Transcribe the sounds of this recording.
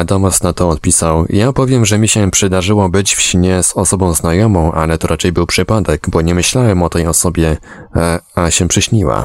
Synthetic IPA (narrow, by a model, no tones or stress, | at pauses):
d̪ɔmasnat̪ɔːt̪̚pʲisawjapɔvʲjɛmʐɛmʲiɕɛpʂɛd̪aʐɘwɔbɘd͡ʑfɕɲɛzɔsɔbɔ̃w̃znajɔmɔ̃w̃ʔa̰lɛt̪ɔɾʔat͡ʂɛjbɘwpʂɘpad̪ɛɡbɔɲɛmɘɕlawɛmɔt̪ɛjɔsɔbʲjɛ | aɕɛpʂɘɕɲiwa̰